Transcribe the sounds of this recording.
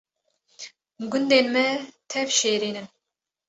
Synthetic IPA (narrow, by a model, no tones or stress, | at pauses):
ɡʊnd̪eːnmɛt̪ʰɛvʃeːɾiːnɨn